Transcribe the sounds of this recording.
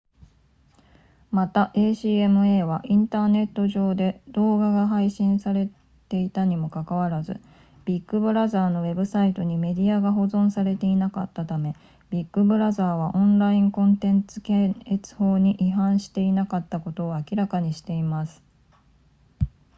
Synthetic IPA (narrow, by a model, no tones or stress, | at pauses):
mat̪aʔe̞ːɕiːe̞mɯ̟eːβaʔĩnt̪aːne̞t̪ːo̞ʑo̞ːd̪e̞d̪o̞ːɡaɡaɦaiɕĩɰ̃saɾe̞ | t̪e̞it̪aɲ̟imo̞kakaβaɾazɨ̰ | b̥ʲikːɯ̟bɯ̟ɾazaːno̞βe̞bɯ̟sait̪o̞ɲ̟ime̞d̪ʲiaɡaɦo̞zõ̞ɰ̃saɾe̞t̪e̞inakat̪ːat̪ame̞ | b̥ʲikːɯ̟bɯ̟ɾazaːβaʔõ̞nɾaĩŋkõ̞nt̪ẽ̞nt͡sɨ̥keet͡sɨ̥ho̞ːɲ̟iʔiɦãɰ̃ɕi̥t̪e̞inakat̪ːako̞t̪o̞ːakʲiɾakaɲ̟iɕi̥t̪e̞imasɨ̥